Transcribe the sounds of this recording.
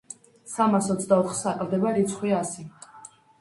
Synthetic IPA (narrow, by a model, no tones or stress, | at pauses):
samasɔt̪sʰd̪aɔχsakʼlvd̪ɛbaɾit̪sʰχwiasi